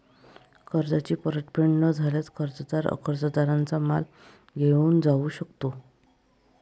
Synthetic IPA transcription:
kʰəɾd͡zat͡ɕiːpəɾəʈpɾeɳɖnəd͡zʱaljat͡skʰəɾd͡zəd̪aɾə̰kʰəɾd͡zəd̪aɾant͡sama̰l | ɡʱeuːnd͡zaʋuːɕəkt̪o

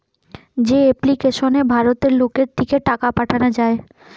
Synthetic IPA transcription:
d͡ʑeeplikeʃonebʱaɾot̪eɾlokeɾd̪ʰʱikeʈakapaʈʰanad͡ʑae

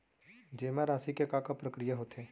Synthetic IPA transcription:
d͡ʒeːmãɾaːsikekakapɾəkɾijaɦot̪eː

